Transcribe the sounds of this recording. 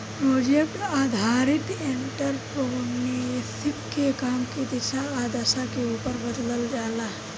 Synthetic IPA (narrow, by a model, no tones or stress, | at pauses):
pɾoːd͡ʒek̚ʈaːd̪ʱaːɾɪt̪eɳʈəɾpoʊnːisʰikkekaːmkid̪iʃaaːd̪ɐsakeuːpəɾbɐd̪ləld͡ʒaːlaː